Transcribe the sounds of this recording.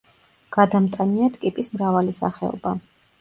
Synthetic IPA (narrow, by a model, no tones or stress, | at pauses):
ɡ̥ad̪amt̪ʼaniat̪ʰkʼipʼismɾavalisa̰χɛɔ̰ba